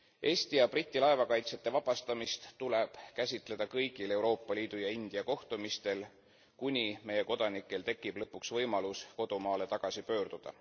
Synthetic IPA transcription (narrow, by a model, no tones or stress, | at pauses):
ʔe̞ːst̪iɑb̥rit̪ʲːˑilɑe̞vɑkɑjt̪se̞t̪ːˑe̞vɑb̥ɑst̪ɑmist̪t̪ule̞b̥kæsʲit̪ˑle̞d̪̥ɑkɤjɡ̥ile̞wɾo̞ːpːˑɑliːd̪̥ujɑind̪̥iɑko̞ht̪umist̪e̞l | kunʲime̞je̞ko̞d̪̥ɑnikːˑe̞lt̪e̞kːˑib̥lɤpːuksvɤjmɑlusko̞d̪̥umɑːle̞t̪ɑɡ̥ɑsipø̞ːɾd̪̥ud̪̥ɑ̰